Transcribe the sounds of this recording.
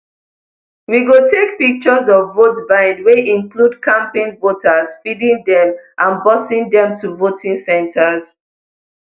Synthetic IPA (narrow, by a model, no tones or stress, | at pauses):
wiɡotek̚pik̚t͡ʃɔzɔvːotbãɪ̃ndweĩŋkʰludkʰãmpẽnvotəz̥fidĩŋdɛ̃mʔãnbɔsĩŋdɛ̃mtʰuvotʰĩŋsɛ̃ntʰəz